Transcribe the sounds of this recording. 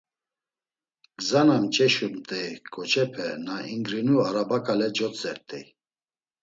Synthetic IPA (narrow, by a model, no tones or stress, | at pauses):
ɡ̥zanamt͡ʃʼɛʃumt̪ʼɛkʰʼɔt͡ʃʰɛpʰɛnaiŋɡɾinuaɾabakʼalɛd͡ʒɔt͡sʼɛɾt̪ʼɛ̰